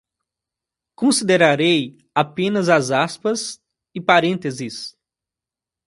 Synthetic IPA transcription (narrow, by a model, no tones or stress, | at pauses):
kõsid̪eɾaɾej | apẽnɐzɐzaspɐs | ɪpaɾẽnt̪ezɪs